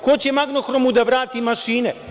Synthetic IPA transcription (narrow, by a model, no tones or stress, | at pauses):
kot͡ɕemaɡno̞xɾomud̪aʋɾaːt̪imaʃiːne